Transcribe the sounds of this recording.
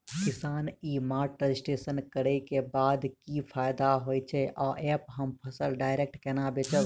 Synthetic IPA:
kɪsaːniːmaːʈɾəd͡ʒɪsʈeːsənkəɽekebaːd̪kipʰaːjd̪aɦoːjt͡ʃʰeʔɔːʔɛːpɦəmpʰəsəlɖaːɪɾek̚ʈkɛnabeːt͡ʃə

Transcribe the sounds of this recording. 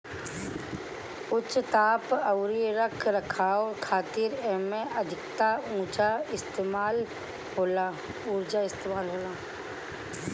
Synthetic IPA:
ʊt͡ʃt̪aːpəwɾiɾəkʰɾəkʰaɔːɾkʰaːt̪iɾeɦmẽʔəd̪ʱɪkt̪aũːt͡ʃaɪst̪eːmaːl | ɦoːla | uːɾd͡ʒaɪst̪eːmaːlɦoːlaː

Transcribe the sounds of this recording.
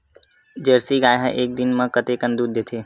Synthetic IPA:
d͡ʒəɾsiɡaːjɦa̰ʔek̚d̪inmãkət̪ekənd̪ud̪ʱːet̪ʰe

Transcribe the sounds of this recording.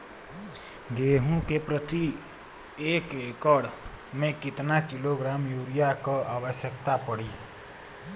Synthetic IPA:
ɡeːɦũkepɾət̪i | eːkekəɽ | mẽkɪt̪nakɪloɡɾaːmjuɾijakoʔaːʋəʃjək̚t̪apəɽi

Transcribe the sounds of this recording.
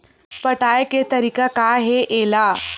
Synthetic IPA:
pəʈajket̪əɾiːkakaɦeʔela

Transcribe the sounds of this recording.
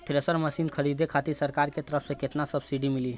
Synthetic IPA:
t̪ʰɾesəɾmɐʃiːnkʰəɾiːd̪ʱekʰaːt̪isɐɾkaːɾket̪əɾəfʰsekɪt̪nasɐbsiɖimɪli

